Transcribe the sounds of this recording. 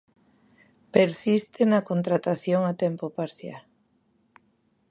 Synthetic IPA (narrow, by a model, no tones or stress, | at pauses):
peɾsist̪ɪnɐkont̪ɾat̪aθjoŋat̪ɛmpopaɾθja̰l